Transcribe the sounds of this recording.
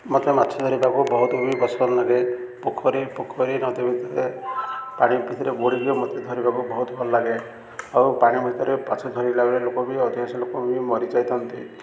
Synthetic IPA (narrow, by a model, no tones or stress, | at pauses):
mot̪emat̪ːt͡ʃʰɔd̪ʱɔɾibakubɔɦut̪ubʱibɔsbɔnlaɡepukʰɔɾipukʰɔɾinɔt̪ebʱit̪ɔɾe | paɽ̃ibʱit̪ɔɾeboɽibiɔmɔt̪ʰed̪ʱɔɾibakubɔɦut̪ɔbʱɔlɔlaɡe | awpaɽ̃ibʱit̪ɔɾepat͡ʃʰɔd̪ʱɔɾilaɡɔɾelokɔbiɔt̪iaselokɔbʱimɔɾit͡ʃajt̪ʰɔnt̪ḭ